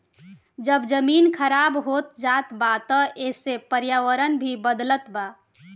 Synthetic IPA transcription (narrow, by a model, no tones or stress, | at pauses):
d͡ʒəbd͡ʒəminkʰəɾabɦot̪d͡ʒat̪bat̪əesepəɾjawəɾənbʱibəd̪lət̪ba